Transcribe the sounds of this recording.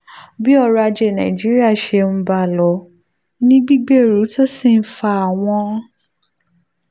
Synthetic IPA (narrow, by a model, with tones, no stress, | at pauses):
bi˦ɔ˦˧ɾa˧d͡ʒe˧˨nã̰˨i˨d͡ʒi˨˦ɾi˦a˦˨ʃe˧m̩̃˦ba˧˨lɔ˨˦ | nĩ˦ɡ͡bi˦ɡ͡be˦˨ɾu˨˦to˦si˦˨n̩˦fa˧˨a˨w̃ɔ̃˧˦